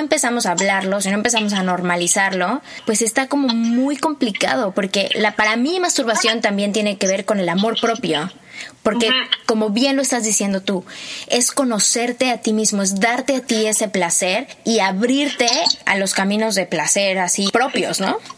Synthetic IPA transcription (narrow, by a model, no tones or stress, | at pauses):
oempe̞samo̞saβlaɾlo̞s̬inoempes̬amo̞s̬ano̞ɾmalisaɾlo̞pwe̞se̞st̪ako̞mo̞mujko̞mplika̰ð̞o̞po̞ɾke̞lapaɾamimast̪uɾβasjo̞nt̪ambje̞nt̪jene̞ke̞β̞e̞ɾko̞ne̞lamo̞ɾpɾo̞pjo̞ | po̞ɾke̞ko̞mo̞βje̞nlo̞e̞st̪azðisje̞nd̪o̞t̪ue̞sko̞no̞se̞ɾt̪e̞at̪imizmoezðaɾt̪e̞at̪ie̞se̞plase̞ɾiaβɾiɾt̪e̞a̰lo̞skamĩno̞zðe̞plase̞ɾasipɾo̞pjo̞̰zno̞